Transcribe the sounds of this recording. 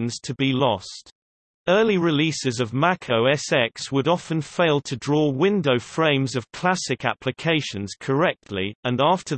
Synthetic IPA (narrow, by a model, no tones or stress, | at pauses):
nz̥tʰəbilɒst | ɜːliɹɪliˑsɪzəvmækʰoʊɛsɛkswəɾɒfə̃nfeɪlˠtʰədɹɔwɪ̃ndəʊfɹẽɪ̃mzəv̥kʰl̥asɪka̰pʰlɨkʰeɪʃə̃nz̥kʰə˞ɛk̚tʰˡliə̃nɑˑftə